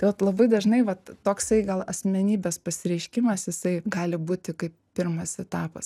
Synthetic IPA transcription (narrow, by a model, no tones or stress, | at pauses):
t̪ɐɪʋɐt̪lˠɐbɐɪd̪ɐʒnɐɪʋɐt̪t̪oːksɐɪɡɐlˠɐsʲmʲɛnʲiːbʲeːspɐsʲɪɾʲɛɪʃʲkʲɪmɐsjɪsɐɪɡɑːlʲɪbuːt̪ʲɪkɐɪppʲɪrmɐsɛt̪ɑːpɐ̰s